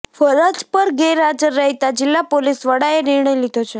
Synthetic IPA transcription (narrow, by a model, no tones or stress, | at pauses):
fəɾəd͡ʒpəɾɡeɾad͡ʒəɾːəɦit̪ad͡ʒɪlːapolisʋəɽaenɪɾɳəjlid̪ʱot͡ʃʰe